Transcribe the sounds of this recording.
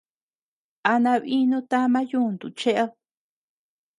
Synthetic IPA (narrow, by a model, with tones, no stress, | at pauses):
a˧nã˧βi˦nũ˦t̪a˦mã˦jũ˦˨nd̪ṵ˨t͡ʃe˦ʔa˦